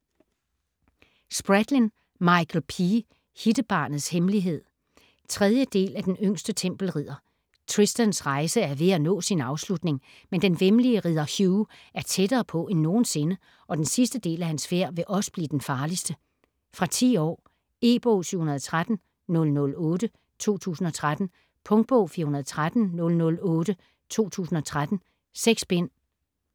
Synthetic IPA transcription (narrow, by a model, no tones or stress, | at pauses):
sb̥ʁad̥lin | mɑ̈ɪkʰl̩pʰi | hid̥əb̥ɑ̰̈ːnð̩ˠshemliɦe̝ð̞̰ˠ | t͡sʰʁɛðˠjəd̥e̝̰ːlæd̥enøŋ̰sd̥ət͡sʰem̰b̥l̩ʁið̰ˠɐ | t͡sʰʁisd̥ɐnsʁɑ̈ɪsəæɐʋe̝ænɔ̰̽ːsinɑ̈ʊslud̥ne̝ŋ | mend̥enʋemliəʁiðˠɐhjuːæɐt͡sʰedɐːpʰɒ̽ʔenːo̝ːn̩se̝nə | ʔɒ̽d̥ensisd̥əd̥e̝̰ːlæhænsfe̝ɐ̰ʋe̝ʔɒ̽sə̥b̥lḭːd̥enfɑ̈ːlisd̥ə | fʁɑ̈t͡sʰḭːɒ̰ː | e̝̰ːb̥ɔːsyhunɐðˠt͡sʰʁad̥n̩ | nɔ̽lnɔ̽lɔ̽ːd̥ə | t͡sʰo̝̰ːt͡sʰṵːsn̩ɒ̽t͡sʰʁad̥n̩ | pʰɔ̽ŋɡ̥̚b̥ɔʊ̰fiːɐhunɐðˠt͡sʰʁad̥n̩nɔ̽lnɔ̽lɔ̽ːɾ̥ə | t͡sʰo̝̰ːt͡sʰṵːsn̩ɒ̽t͡sʰʁad̥n̩ | seɡ̥sb̥en̰